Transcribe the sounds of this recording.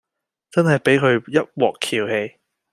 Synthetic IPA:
t͡sɐ˥nhɐ˨˩jpe˨˥jkʰɵ˨˧ɥjɐ˥t̚wɔː˨kʰːiː˨˩whe˧j

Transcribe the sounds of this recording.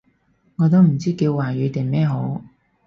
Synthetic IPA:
ŋɔː˨˧t̪o˥wm̩˨˩t͡siː˥kiː˧wwaː˨˩jyː˨˧t̪ɪ˨˩mɛː˥ɦo˨˥w

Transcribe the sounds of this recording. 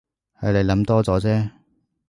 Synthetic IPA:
hɐ˨˥le˨˧jlɐ˨˥mt̪ɔː˥t͡sɔː˨˧˥t͡sɛː˥

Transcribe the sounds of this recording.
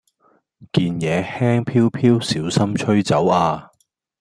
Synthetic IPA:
kiː˨njɛː˨˧hɛː˥ŋpʰiː˥wpʰiː˥wsiː˨˥wsɐ˥mt͡ʃʰɵ˥ɥt͡sɐ˨˥waː˧

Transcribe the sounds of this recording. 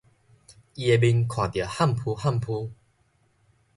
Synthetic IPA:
i˧e˧bi˧nkʰwã˨˩t̪ji˨˩ha˥˨mpʰu˧ha˥˨mpʰu˧

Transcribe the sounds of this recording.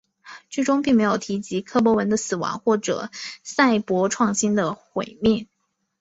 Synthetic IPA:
ʈ͡ʂi˥˩ʈ͡ʂʊ˥ŋpi˥˩ŋme˧˥ɪjo˨˩ʊt̪ʰi˧˥t͡ɕi˧˥kʰɤ˥p̬wɔ˧˥wə˧˥nd̪ə˧sɹ̩˨˩wɑ̰˧˥ŋxwɔ˥˩ʈ͡ʂɤ̰˨˩sa˥˩ɪpwɔ˧˥ʈ͡ʂʰwɑ˥˩ŋɕi˥nd̪ə˨xwe˨˩ɪmjɛ˥˩n

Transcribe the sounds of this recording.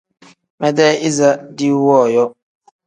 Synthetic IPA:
mɛ˦dɛ˦ɪ˦za˦dɪ˦u˦wɔ˦˨jɔ˦

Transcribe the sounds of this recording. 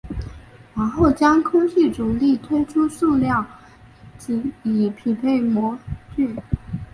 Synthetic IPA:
ɻa˧˥nxo˥˩ʊt͡ɕjɑ˥ŋkʰʊ˥ŋt̪ʰi˥˩ʈ͡ʂʊ˨˩ŋli˥˩t̪ʰwe˥ɪʈ͡ʂʰu˥su˥˧ljɑ˥˩ŋ | ʈ͡ʂ̩˧˥i˨˩pʰi˨˥pʰe˥˩ɪmwɔ˧˥t͡ɕy˥˩n

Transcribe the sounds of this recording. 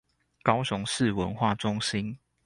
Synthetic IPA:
kɑ˥˦ʊɕʊ˧˦ŋʂɻ̩˥˨wə˧˦nxwa˥˨ʈ͡ʂʊ˦ŋɕi˦n

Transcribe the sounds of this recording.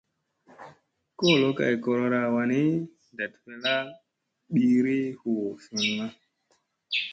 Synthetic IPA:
ko˦˨lo˨˦ka̰˨jko˨ɾo˧ɾa˦˨wa˨ni˦ | da˨tpe˦la˦ | ɓi˦ɾi˦hu˨wfi˨n˦ma˦

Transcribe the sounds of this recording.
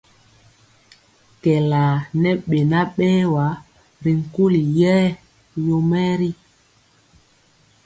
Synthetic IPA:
kɛ˨la˨nɛ˦ɓe˨na˦ɓɛː˦wa˨˦ | ɾi˨ŋ̩˨ku˦li˨jɛː˦ | jo˨mɛ˦ɾi˦

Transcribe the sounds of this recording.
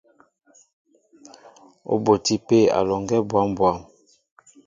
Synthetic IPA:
o̰˦bo˨ti˦pe˦˨a̰˨lɔ˨ŋɡɛ˦bwa˨˦mbwa˦˨m

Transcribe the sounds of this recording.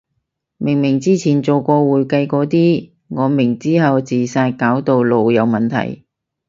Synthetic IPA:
mɪ˨˩ŋmɪ˨˩ŋt͡siː˥t͡sʰiː˨˩nt͡so˨wkɔː˧wuː˨˧jkɐ˧jkɔː˨˥t̪iː˥ | ŋɔː˨˧mɪ˨˩ŋt͡siː˥ɦɐ˨wt͡siː˨˩saː˧jkaː˨˥wt̪o˨wlo˨wjɐ˨˧wmɐ˨nt̪ʰɐ̰˨˩j

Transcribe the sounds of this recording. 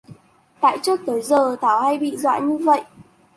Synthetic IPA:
t̪a̰ː˧˨jt͡ɕɨ˦˥ək̚t̪əː˨˦jzəː˨˩t̪ʰaː˨˧˩wha˧jɓḭ˧˨zwa̰ː˧˨jɲɨ˧və̰˧˨jʔ

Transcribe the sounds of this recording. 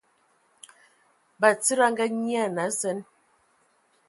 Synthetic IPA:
ba˨t͡si˦ɾa˦ŋ˦ɡa˦ɲi˦a˦˨na˨˦zɛ˨˦n

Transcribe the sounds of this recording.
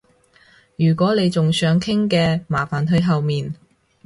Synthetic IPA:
jyː˨˩kʷɔː˨˥le˨˧jt͡sʊ˨ŋsœː˨˥ŋkʰɪ˥ŋkɛː˧maː˨˩faː˨˩nɦɵ˧ɥɦɐ˨wmiː˨n

